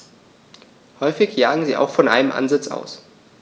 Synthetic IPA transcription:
hɔʏfɪçjaːɡŋ̩ziːa̰ʊxfɔnʔaɪnəmʔa̰nzɪt͡sa̰ʊs

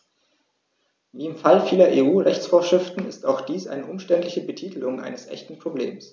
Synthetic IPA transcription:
viːɪmfalfiːlɐʔeːʔuːʁɛçt͡sfoːɐʃʁ̥ɪftn̩ɪstaʊxd̥iːsʔa̰ɪnəʔʊmʃtɛntlɪçəbətʰiːtʰlʊŋʔa̰ɪnəsʔɛ̰çtn̩pʁ̥oblḛːms

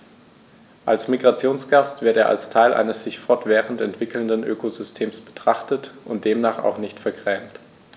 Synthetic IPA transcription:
ʔalsmiɡʁat͡sjoːnsɡ̥astv̥ɪɐteːɐʔa̰lstʰaɪlʔa̰ɪnəsz̥ɪçfɔɐtv̥ɛːʁəntɛntv̥ɪkl̩ndənʔø̰ːkʰozʏstʰeːmsb̥ə̥tʁ̥aχtətʔʊntd̥eːmnaːχa̰ʊxnɪçtfɛɐɡʁɛːmt

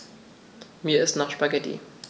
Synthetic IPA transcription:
miːɐɪstnaːχʃpaɡɛtḭ

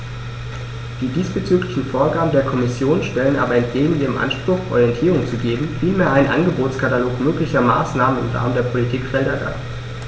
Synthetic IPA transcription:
d̥iːdiːsb̥ət͡syːklɪçn̩foːɐɡaːbm̩deːɐkʰɔmɪsjoːnʃtɛlənʔa̰ːbɐɛnt̚ɡ̥eːɡŋ̩ʔiːʁəmʔa̰nʃpʁ̥ʊxʔɔ̰ʁijɛntʰiːʁʊŋt͡suɡeːbm̩fiːlmeːɐaɪnənʔa̰nɡəboːtskʰataloːkmøːklɪçɐma̰ːsnaːmənɪ̰mʁa̰ːməndeːɐpʰolitʰiːkfɛldɐda̰ː

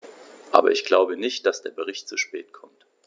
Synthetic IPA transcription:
ʔa̰ːbɐ̰ʔɪçɡ̥laʊbənɪçt̚d̥asd̥eːɐbəʁ̞ɪçtt͡suʃpɛːt̚kʰɔmt

